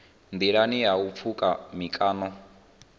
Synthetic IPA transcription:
nd̪iɺaniɦaup̪fʰukʼamikʼaːnɔ

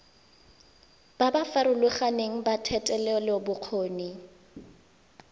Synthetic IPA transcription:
b̥abafaɾʊluχaneŋ̩batʰɛtʼɛlɛɔlɪbʊq͡χʰoːni

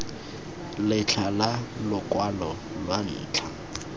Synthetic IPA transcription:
lɪt͡ɬʰalalʊkwalɔ | lwan̩ːt͡ɬʰa

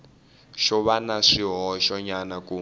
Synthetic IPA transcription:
ʃɔβanaʂiɦɔʃɔɲanaku

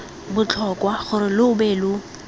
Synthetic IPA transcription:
bʊt͡ɬʰɔkʼwaχʊɾɪlʊʊbeːlʊ

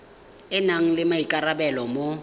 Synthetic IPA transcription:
ɪnaŋ̩lɪmaikʼarabɛlɔmo

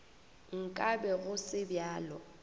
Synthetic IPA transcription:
ŋ̩kʼabɛɣʊsɪbjaːlɔ

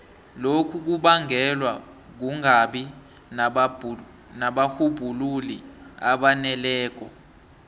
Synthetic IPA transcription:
lokʰuk̬uɓaŋʱɛlwa | k̬uŋʱaɓi | naɓahub̥ʱululia̰ɓanɛlɛːk̬ʼɔ

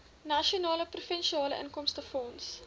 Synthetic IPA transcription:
nɐʃionɑːləprufɛnʃiɑːləʔə̰nkɔmstəfɔns

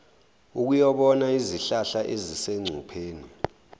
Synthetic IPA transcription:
uk̬ujɔɓɔnaiziɬaɬaʔeziseŋ͡ǀʱupʰeːni

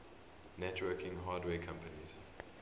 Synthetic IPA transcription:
nɛtʰwɜːkʰɪ̃ŋɦaːdwɛːkʰãmpʰənḭz̥

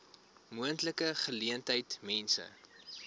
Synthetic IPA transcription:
muəntləkəχəliəntɦəjtmɛnsə̰

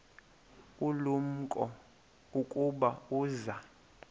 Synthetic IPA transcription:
ulum̩kʼɔ | ukʼuɓauːza

